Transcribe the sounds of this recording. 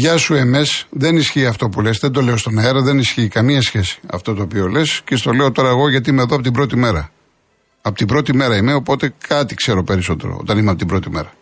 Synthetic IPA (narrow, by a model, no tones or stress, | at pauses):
ʝɐsue̞me̞sðe̞nisçiːɐft̪o̞pule̞sðend̪o̞le̞o̞st̪o̞nɐeɾɐðe̞nisçiːkɐmiɐsçe̞si̥ɐ̰ft̪ot̪o̞ːpio̞le̞scest̪o̞le̞o̞t̪o̞ɾɐeɣo̞ʝɐt̪̬iimeðoɐp̬ot̪ibɾo̞t̪ime̞ɾɐ | ɐpot̪ibɾo̞t̪ime̞ɾɐime̞o̞po̞t̪e̞kʰɐt̪ikse̞ɾo̞pe̞ɾiso̞t̪e̞̰ɾo̰o̞̰t̪ɐnimeɐpot̪ibɾo̞t̪ime̞̰ɾɐ